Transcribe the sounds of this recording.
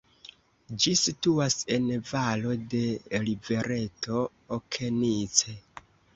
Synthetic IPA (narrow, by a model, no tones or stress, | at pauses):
d͡ʒisituase̞nvalo̞de̞live̞ɾʔe̞tʰo̞ː | kʰe̞nit͡se̞